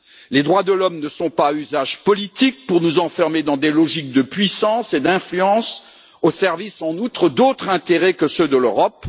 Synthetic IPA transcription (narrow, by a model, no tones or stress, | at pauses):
led̪ʁwad̪əlɔmnəsɔ̃payzaʒpɔlit̪ik̚puʁnuzɑ̃fɛʁmed̪ɑ̃d̪elɔʒik̚d̪əpɥisɑ̃sed̪ɛ̃flyɑ̃s | osɛʁvisɑ̃nut̪χəd̪ot̪χɛ̃t̪eʁɛkəsød̪əløʁɔp